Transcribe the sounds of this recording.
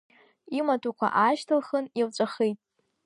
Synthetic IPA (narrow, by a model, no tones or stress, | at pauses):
imatʰukʷʰa̰ʔaʃtʰɨlχənilt͡ʃʷʼaχejtʼ